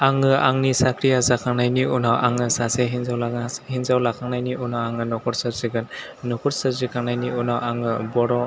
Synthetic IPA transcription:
aŋɯa̰ŋnisakʰɾijazakʰaŋnajniunawʔaŋɯsaseɦinzawlahinzawlakʰaŋnajniunawaŋɯnɔkʰɔɾsɯɾziɡɯn | nɔkʰɔɾsɯɾzikʰaŋnajniunawaŋɯbɔɾɔ

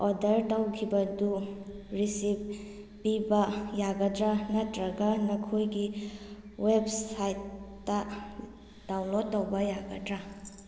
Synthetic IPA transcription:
ɔdɐɾtawkʰibɐdu | ɾisip̚ | pibɐjaɡɐdɾanɐtɾɐɡɐnɐkʰojɡi | websajtː | ɐ | d̥awnlod̚ːɐwbɐjaɡɐdɾa

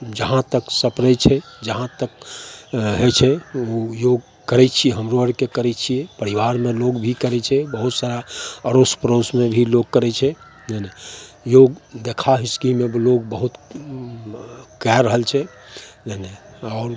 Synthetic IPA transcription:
d͡ʒəɦãt̪əksəpɾɛt͡ʃʰɛd͡ʒəɦãt̪ək | ɦɛt͡ʃʰɛojoɡ̚ | kəɾɛt͡ʃʰieɦəmɾoəɾkekəɾɛt͡ʃʰiɛpəɾiʋaɾmẽloɡbʱikəɾɛt͡ʃʰɛbəɦut̪saɾaəɾospɾosmẽbʱiloɡ̚kəɾɛt͡ʃʰɛ | nəne | joɡd̪ekʰaɦiskimebloɡbəɦut̪ | kɛɾəɦəlt͡ʃʰɛ | nəneɔːɾ

